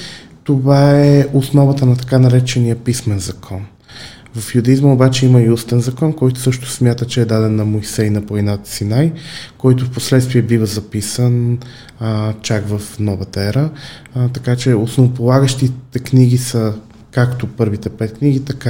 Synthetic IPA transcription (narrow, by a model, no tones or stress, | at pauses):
t̪ovaɛʔosnɔvət̪ənɐt̪ɐ̥kanɐɾɛt͡ʃɛnijəpismɛnzɐkʰɔn | vɐfjʊd̪ɐizməobat͡ʃɛiməiust̪ɛnzɐkɔnkɔjt̪ʊ̥sɤʃt̪ʊ̥smʲjat̪ət͡ʃɛːd̪ad̪ɛnːɐmojsɛjnɐpoɛnat̪sinajkɔjt̪ʊfposlɛt̪st̪viɛbivəzɐpisən | t͡ʃaɡvəfnɔvət̪əɛɾə | t̪ɐkat͡ʃɛosnovopolˠaɡəʃt̪it̪ɛkniɡisə | kakt̪opɤɾvit̪ɛpɛt̪̚kniɡit̪ɐka